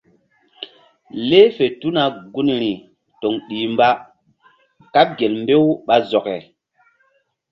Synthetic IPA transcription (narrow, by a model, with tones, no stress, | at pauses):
le˦fe˨tu˦na˨ɡu˦n˨ɾi˨ | to˨ŋɗi˨mba˦ | ka˦p̚ɡe˨lmbe˦wɓa˦zɔ˨kɛ˨